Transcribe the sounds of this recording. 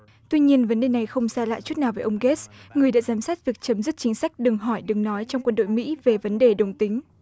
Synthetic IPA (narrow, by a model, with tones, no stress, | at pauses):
t̪wi˧ɲi˧ənvə˨˦nɗe˨˩na˨˩jxə˧wŋ͡msaː˧la̰ː˧˨jt͡ɕu˦˥t̚na˨˩wvəː˨˦ʔə˧wŋ͡mɣe˦˥sŋɨ˨˩əjɗa̰ː˧˥zaː˨˦msaː˦˥t̚vi˨˩ək̚t͡ɕə˨˦mzɨ˦˥t̚t͡ɕï˨˦ŋ̟sa˦˥jk̟̚ɗɨ˨˩əŋɦɔ˧˩jɗɨ˨˩ŋnɔ˨˦jt͡ɕɔ˧wŋ͡mkwə˧nɗo̰˧˨jmḭ˧˥ve˨˩və˨˦nɗe˨˩ɗə˨˩wŋ͡mt̪ï˨˦ŋ̟